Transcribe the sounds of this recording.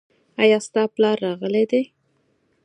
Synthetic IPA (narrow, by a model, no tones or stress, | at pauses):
ɑjɑst̪ɑplɑɾːɑɣəled̪e